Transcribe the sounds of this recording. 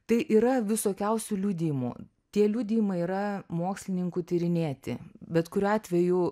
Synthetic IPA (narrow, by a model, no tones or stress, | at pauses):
t̪ɐɪʔiːɾɐʋʲɪsoːkʲɛʊsʲulʲuːd̪ʲiːmṵ | t̪ʲiɛlʲuːd̪ʲiːjmɐɪiːɾɐmoːksʲlʲɪnʲɪŋkut̪ʲɪɾʲɪnʲeːt̪ʲɪ̰bʲɛt̪kʊɾʲɑːt̪ʲʋʲɛju